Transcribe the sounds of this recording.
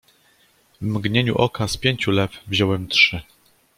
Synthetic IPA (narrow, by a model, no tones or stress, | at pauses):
vmɡɲeɲṵʔɔkaspʲjeɲt͡ɕulɛvvʑɔwɛmtʂɘ